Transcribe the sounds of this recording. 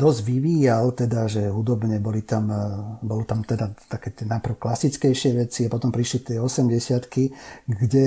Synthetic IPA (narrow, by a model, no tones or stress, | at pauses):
d̪ɔzɟʋiʋiːjalt̪ɛd̪aʒɛɦud̪ɔbɲɛbɔlit̪ambɔlut̪amt̪ɛd̪at̪akɛːt̪ɪɛnapr̩ʊklasit͡skɛjʃɪɛʋɛt͡siapɔt̪ɔmpɾiʃlit̪ɪɛɔsɛmɟɛsɪat̪kiɡɟɛ